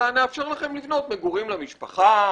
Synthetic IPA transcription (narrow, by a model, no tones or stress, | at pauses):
aneafʃeʁlaχe̞mlivno̞t̪meɡuʁimlamiʃpaχa